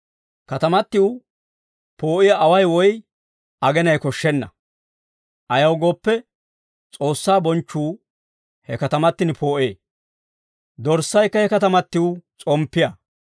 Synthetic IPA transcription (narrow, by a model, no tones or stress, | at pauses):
kɐt̪ɐmɐt̪ːɪw | po̞ːʔɪjaʔɐwɐjwɔj | ʔɐɡɛnɐjkɔʃːɛnːɐ̰ | ʔɐjɐwɡo̞ːpːɛ | t͡sʼo̞ːsːaːbɔnt͡ʃːuː | hɛ̰kɐt̪ɐmɐt̪ːɪnpʰo̞ːʔḛː | d̪ɔɾsːɐjkːɐhɛkɐt̪ɐmɐt̪ːɪwʊt͡sʼɔmpːɪjaː